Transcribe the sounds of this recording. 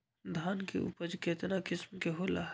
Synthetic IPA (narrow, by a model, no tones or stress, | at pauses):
d̪ʱaːnkḛʔʊ̰pəd͡ʒkeːt̪nakɪsmkeɦoːla̰ɦ